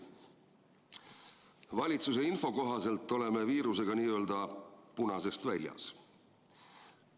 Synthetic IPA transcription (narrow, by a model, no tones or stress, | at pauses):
vɑlʲit̪suse̞info̞ko̞ɦɑse̞lt̪ːˑo̞le̞me̞viːɾuse̞ɡ̥ɑniːø̞ld̪ɑpunɑse̞st̪vælʲjɑ̰s